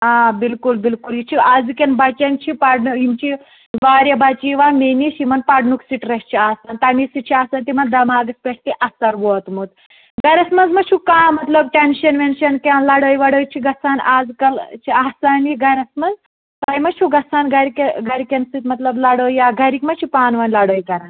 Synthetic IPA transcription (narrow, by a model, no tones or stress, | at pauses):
abilkulbilkuljit͡ʃʰiad͡zkʲenbat͡ʃant͡ʃʰipaɽnujimt͡ɕi | ʋaːɾjɐbat͡ʃiʋameniɕimɐnpaɽnuksiʈɾɐɕt͡ʃʰiaːsant̪anisit͡ʃʰiasant̪imɐnd̪ɐmaːɡɐspʲest̪iʔɐsəɾʋɔt̪mut̪ | ɡɐɾʲɐsmɐzmɐʃukamɐt̪ləb̚ʈenɕɐnʋenʃɐnkʲanlaɽəjʋɐɽəjt͡ʃʰiɡɐsaːnaːd͡zkɐlt͡ʃʰiaːsaniɡɐɾʲɐsmɐd͡z | t̪ajmɐʃuɡɐsaːnɡɐɾkʲeɡaɾkʲensit̪mɐt̪lɐblaɽəːjaɡɐɾikmɐʃʰupaːnʋanlaɽəːjkɐɾaːn